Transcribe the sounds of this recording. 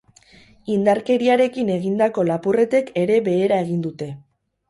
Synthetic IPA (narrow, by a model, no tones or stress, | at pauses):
ind̪aɾke̞ɾiaɾe̞kine̞ɣind̪ako̞lapure̞t̪e̞ke̞ɾe̞βe̞ːɾae̞ɣ̞ind̪ut̪e̞